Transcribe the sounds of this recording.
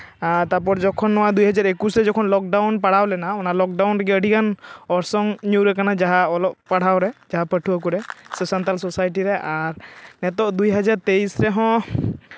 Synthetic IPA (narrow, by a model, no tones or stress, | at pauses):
at̪aɾpɔɾd͡ʒɔkʰɔnːɔwad̪ujɦad͡ʒaɾekusɾɛd͡ʒɔkʰɔnlɔk̚ɖawnpaɽ̤awlɛnaɔnalɔk̚ɖawnɾɛɡɛəɽikanɔɾsɔŋnuɾɛkanad͡ʒaɦaɔlɔp̚paɽ̤awɾɛd͡ʒaɦapəʈʰuak̬uɾɛsəsant̪alsɔsajʈiɾɛʔaɾnɛt̪ɔʔd̪ujɦad͡ʒaɾt̪eisɾɛɦɔ̃